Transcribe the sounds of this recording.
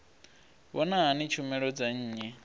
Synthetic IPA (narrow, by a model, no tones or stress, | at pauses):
wɔnaɦanit͡ʃʰumɛɺɔd͡zaɲ̩ːɲɛ